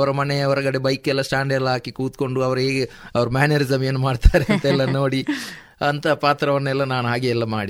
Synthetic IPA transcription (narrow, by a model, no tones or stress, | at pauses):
ʋɐɾɐmɐneɐʋɐɾɐɡɐɽebɐjkɛlːɐsʈaːɳɖɛlaːkikuːt̪ko̞ɳɖuɐʋɐɾuɦeːɡeɐʋɐɾumaːneɾizɐmeːnːumaːɖt̪aːɾeɐnt̪ɐɛlːɐno̞ːɽi | ɐnt̪ɐpaːt̪ɾɐʋɐnːɛlːɐnaːnuɦaːɡeɛlːɐmaːɽi